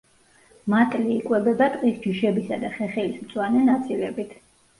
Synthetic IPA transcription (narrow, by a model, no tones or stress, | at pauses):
mat̪ʼliːkʼwɛbɛbat̪ʼqʼisd͡ʒiʃɛbisad̪aχɛχɛlismt̪sʼwanɛnat̪sʰʼilɛbit̪ʰ